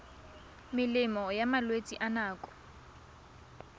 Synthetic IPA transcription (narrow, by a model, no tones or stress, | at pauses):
mɪlɪmɔjamalwet͡sʼiʔanaːkʼɔ̥